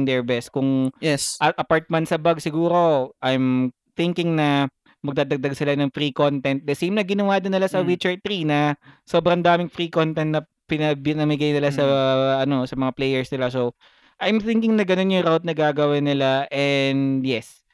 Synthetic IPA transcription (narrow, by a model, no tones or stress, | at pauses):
ŋd̪ɛɹbɛst̪̚kʊŋɛʔɐʔɐpaɹt̪̚mɐnt̪sɐbɐɡsɪɡuːɾo̞ʔajm | θɪŋkɪŋnɐ | mɐɡ̚d̪ad̪ɐɡ̚d̪aɡ̚sɪlanɐŋfɾiːko̞nt̪ɛnt̪̚d̪ɛsejmnɐɡɪnɐwaːd̪ɪnːɪlasɐwit͡ʃɛɹt̪ɾinɐso̞ːbɾɐŋd̪aːmɪŋfɾikont̪ɛnt̪nɐ | pɪnɐbɪnɐmɪɡajnɪlasɐʔɐno̞sɐmɐŋaplejɛɹsnɪlaso | ʔajmθɪŋkɪŋnɐɡɐno̞njʊŋɾawt̪̚nɐɡaːɡɐwɐnɪlaʔɛnd̪jɛs